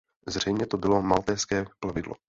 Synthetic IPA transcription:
zr̝ɛjmɲɛt̪obɪlo̞malt̪ɛːskɛːplavɪdlo̰

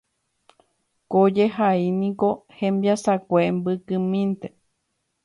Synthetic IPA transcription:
kod͡ʒeɦainĩkohẽmbiasakʷembɨkɨmĩnt̪e

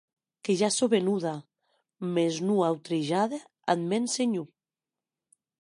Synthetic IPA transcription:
keʒasoβenuða | meznuawt̪ɾeʒaðe | a̰d̪menseɲu

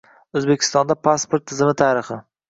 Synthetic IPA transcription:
ɵzbekʲʰɪ̥st̪ɒnd̪apʰaspoɾt̪ʰːɪzɪmɪt̪ʰaɾɪχɪ

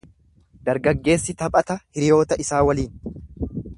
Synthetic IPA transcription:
d̪ɐɾɡɐɡːe̞ːsːɪt̪ɐpʼɐt̪ɐhɪɾɪjo̞ːt̪ɐɪsaːwɐliːn

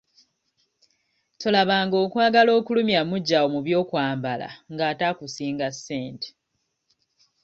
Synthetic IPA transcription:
tolaβaːŋɡo̞ːkwaːɡalo̞ːkulumjamuɟːawomuβjo̞ːkwaːmbala̰ŋɡaːtakusiːŋɡasːeːnte̥

